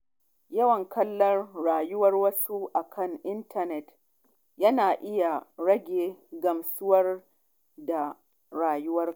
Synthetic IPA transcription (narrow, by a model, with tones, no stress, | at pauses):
jɐ˦wɐ˨ŋkɐ˦lːɐ˦rɽaː˨jʊ˦wɐ˦rwɐ˦su˦ʔa˨kʰɐ˦˨ŋʔɪ˦ntʰɐ˨nɛ˨t | jɐ˦naː˨ʔɪ˦ja˨ɽɐ˦ɡʲeː˨ɡɐ˨msʊ˦wɐ˦r | da˨ | ɽaː˨jʊ˦wɐ˦r